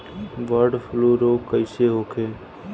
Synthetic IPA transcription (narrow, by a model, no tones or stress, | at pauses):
ʋəɾɖpʰluɾoːkəɪseɦokʰeː